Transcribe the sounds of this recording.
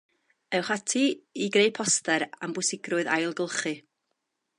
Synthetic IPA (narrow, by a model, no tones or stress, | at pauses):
ɛwχatʰiiɡɾejpʰɔstɛɾambʊsɪɡrʊɨða̰jlˠɡəlˠχɨ